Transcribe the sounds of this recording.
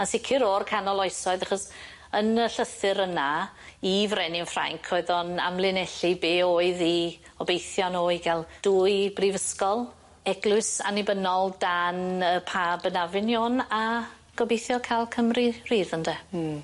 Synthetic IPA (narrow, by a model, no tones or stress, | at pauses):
ansɪkʰɪɾorkʰanɔlˠɔɨsɔɨðaχɔs | ənəɬəθɨɾəna | ivrɛnɪnfra̰ŋkʰoɨðɔna̰mlˠɪnɛɬibeːoːɨði | ɔbejθjɔnoiɡɛlˠd̥uːjbrivəskɔlˠ | ɛɡlˠʊɨsa̰nɪbənɔlˠdanəpʰaːbənavɪnjona | ɡ̥ɔbejθjɔkʰalˠkʰəmririːðəndɛ